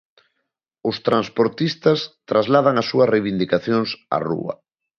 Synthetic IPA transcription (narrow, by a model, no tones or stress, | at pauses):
ʊst̪ɾanspoɾt̪ist̪ɐst̪ɾazlað̞aŋasuɐsrejβind̪ikaθjoŋsa̰rṵɐ̰